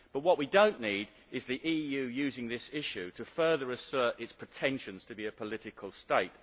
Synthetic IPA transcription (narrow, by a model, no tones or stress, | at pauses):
b̥ʌt̚wʌʔwidõʊ̃nːiɾ | ɨzðiʔijʉjʉzɪ̃ŋðɪsɪʃʉɾʰɨfɜ˞ðə˞ɨsɜ˞ɾɪtspʰɹ̥ɨtʰɛ̃nʃɨ̃nz̥tʰəbiɨpʰəlɪɾɨkʰəl̩ˠsteɪt̚